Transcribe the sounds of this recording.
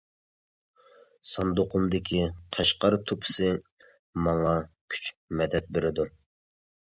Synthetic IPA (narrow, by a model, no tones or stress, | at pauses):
sɑnd̪oqʰʊmd̪ɪkʲʰiqʰɑʃqɑɾt̪ʰupʰɪ̥sɨ | mɑŋɑkʲʰy̥t͡ʃmɛd̪ɛt̪̚beɾɪd̪u